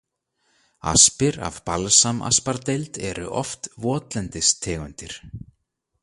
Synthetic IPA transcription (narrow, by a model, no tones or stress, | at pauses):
a̰spɪɾa̰vpalsamʔa̰spaɾt̪ejlt̪ɛɾʏ̰ʔɔft̪vɔːt̪lɛnt̪ɪst̪ʰɛːɣʏnt̪ɪɾ̥